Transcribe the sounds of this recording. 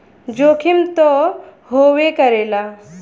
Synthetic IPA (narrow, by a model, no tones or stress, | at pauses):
d͡ʒokʰimt̪ɔɦowekəɾela